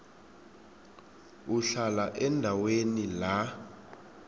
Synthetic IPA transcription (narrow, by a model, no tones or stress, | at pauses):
uɬalaʔɛndʱawenila